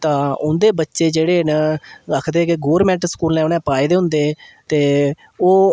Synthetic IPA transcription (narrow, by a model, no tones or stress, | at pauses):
t̪ãːʊnd̪eːbətːʃeːd͡ʒeːɽeːnəkʰd̪eːkɪɡoːɾmɛ̃ːɳʈskuːlnɛ̃ːʊnɛ̃ːpaːiːd̪eːɦʊ̃nd̪eːt̪eː | oː